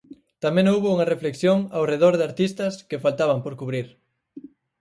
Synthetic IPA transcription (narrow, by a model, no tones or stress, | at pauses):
t̪amẽŋowβouŋɐrefleksjoŋawreð̞oɾðeaɾt̪ist̪ɐskɪfalt̪aβɐmpoɾkuβɾiɾ